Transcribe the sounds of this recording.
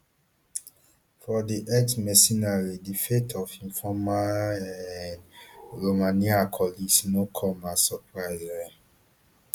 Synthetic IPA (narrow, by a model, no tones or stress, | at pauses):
fɔdiʔɛksmɛsĩnaɹidifetʰɔfĩnfɔmaɛnɹomãniakʰɔlisnõkʰɔmasɔpɹaɪza